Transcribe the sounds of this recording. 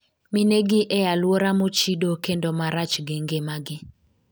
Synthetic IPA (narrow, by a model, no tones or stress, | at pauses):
mɪneɡɪʔɛjalwoɾamot͡ʃidokendomaɾat͡ʃɡeŋɡemaɡɪ